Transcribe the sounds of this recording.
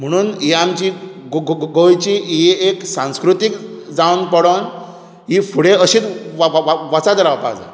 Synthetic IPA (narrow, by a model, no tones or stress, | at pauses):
m̤əɽ̃uːniamt͡ɕiɡɡojt͡ɕiieksãw̃skɾut̪ikd͡zawnpəɽən | ɦifuɽẽəɕiːt͡sʋʋat͡sad̪əɾaʋpa̰d͡za̰